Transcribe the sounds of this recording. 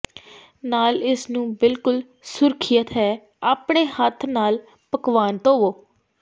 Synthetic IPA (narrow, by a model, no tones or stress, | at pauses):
naːlɪsnũːbɪlkʊl | sʊɾkʰɪjət̪ɦɛː | aːpɳeːhət̪ʰnaːl | pəkʋaːnt̪oːʋoː